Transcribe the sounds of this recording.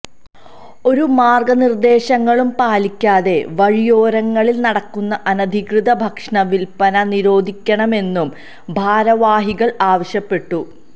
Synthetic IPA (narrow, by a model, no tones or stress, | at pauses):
o̞ɾumaːrɡɐnird̪e̞ːɕɐŋːɐɭumpaːlikʲːaːðe̞ʋɐɻijo̞ːɾɐŋːɐɭilnɐɽɐkːunːɐʔɐnɐd̪ʱikrɨðɐbʱɐkʂɳɐʋilpɐnɐniɾo̞ːd̪ʱikʲːɐɳɐme̞nːum | bʱaːɾɐʋaːɦiɣɐɭaːʋɐɕjɐpːe̞ʈːu